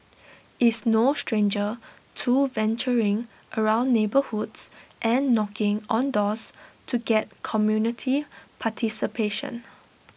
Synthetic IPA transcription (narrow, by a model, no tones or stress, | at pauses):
ʔɪsnostɹẽnd͡ʒə | tʰuvɛ̃nt͡ʃəɹɪ̃ŋʔəɹãʊ̃nːebəhudsʔɛ̃nːɔkɪ̃ŋɔ̃ndɔstʰuɡɛt̚kʰɔmjunitʰipʰatʰisipʰeʃə̰̃n